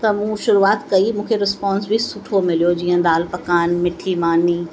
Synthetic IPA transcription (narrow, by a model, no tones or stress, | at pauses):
t̪ɐmũʃʊɾuaːt̪kɐimũːkʰeɾɪspãːnsbʱisʊʈʰomɪlijod͡ʑiːə̃d̪aːlpɐkaːnmɪʈʰimaːniː